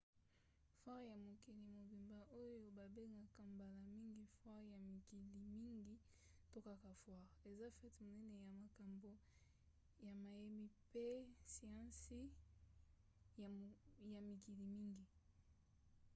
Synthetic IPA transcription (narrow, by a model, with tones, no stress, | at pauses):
fwa˦ʁja˨mo˨ki˨li˨mo˨bi˨mba˨ʔo˦jo˦ba˨be˦ŋɡa˨ka˨mba˨la˨mi˦ŋɡi˦fwa˦ʁja˨mi˨ki˨li˨mi˦ŋɡi˦ | to˦ka˦ka˨fwa˦ʁe˨za˦fɛ˦tmo˨nɛ˦ne˨ja˨ma˨ka˨mbo˦ | ja˨ma˨je˦mi˦pe˦si˨ã˦si˦ | ja˨mi˨ki˨li˨mi˦ŋɡi˨